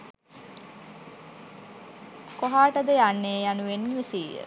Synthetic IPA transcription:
koɦaːʈəd̪əjanːeːjanuʋenːiʋisiːjə̰

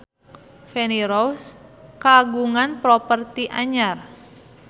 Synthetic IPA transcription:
fɛniɾouskaɡuŋanpɾɔpərt̪iʔaɲar

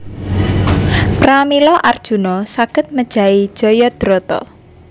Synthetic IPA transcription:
pɾamilɔʔard̥ʒ̥ṳnɔsaɡ̥ə̤t̪̚məd̥ʒ̥a̤id̥ʒ̥ɔjɔd̪̥ɾɔt̪ɔ̰

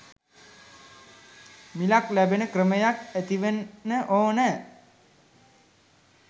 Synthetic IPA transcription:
milaklæbenəkrəməjakæt̪iʋenːəʔoːnə

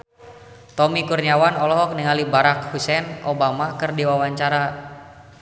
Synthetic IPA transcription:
t̪ɔmikurɲiawanɔlɔɦɔk̚niŋalibaɾak̚husɛnʔobamakɨrdiwawaɲt͡ʃaɾa

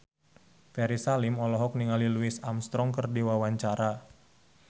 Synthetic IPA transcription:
fɛɾisalɪmɔlɔɦɔk̚niŋaliluɪsamst̪ɾɔŋkərdiwawaɲt͡ʃaɾa

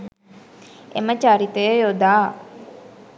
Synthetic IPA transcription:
ḛmət͡ʃaɾit̪əjjod̪aː

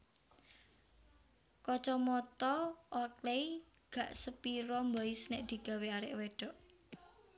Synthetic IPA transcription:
kɔt͡ʃɔmɔt̪ɔʔɔklei | ɡ̥ä̤ʔsəpiɾɔmbɔɪsnɪʔd̪̥i̤ɡ̥a̤weaɾɪʔweɖ̥ɔ̤ʔ

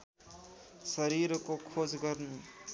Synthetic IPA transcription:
sʌɾiɾkokʰod͡zɡʌɾnu

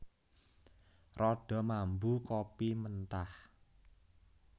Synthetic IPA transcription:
rɔɖ̥ɔ̤mambukopimənt̪ah

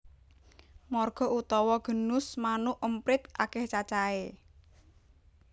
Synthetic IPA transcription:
mɔrɡ̥ɔ̤ut̪ɔwɔɡ̥ə̤nʊsmanʊʔʔəmpɾɪt̪̚akɛht͡ʃat͡ʃae

